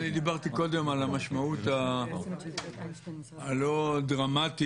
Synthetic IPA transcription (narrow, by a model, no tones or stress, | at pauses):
nid̪ibaʁt̪iko̞d̪e̞malamaʃmaut̪a | lo̞d̪ʁamat̪i